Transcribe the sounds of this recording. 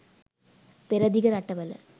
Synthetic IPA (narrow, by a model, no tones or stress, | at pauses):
pɪɾɐðɪɣɐɾɐʈːɐʋɐlɐ̰